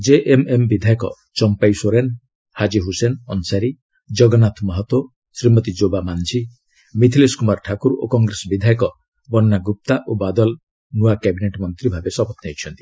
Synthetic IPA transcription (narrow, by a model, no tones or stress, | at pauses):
d͡ʒeʔemembid̪ʱajɔkɔ | t͡ʃɔmpajsoɾen | had͡ʒiɦusenɔnsaɾi | d͡ʒɔɡɔnat̪ʰmɔɦɔt̪wo | sɾimɔt̪id͡ʒobamand͡ʒʰi | mit̪ʰileskumaɾʈʰakuɾokɔŋɡɾesɔbid̪ʱajɔkɔ | bɔnːaɡup̚t̪aʔobad̪ɔl | nuakɛbineʈmɔnt̪ɾibʱabesɔbɔt̪ʰnɦet͡ʃʰɔnt̪i̥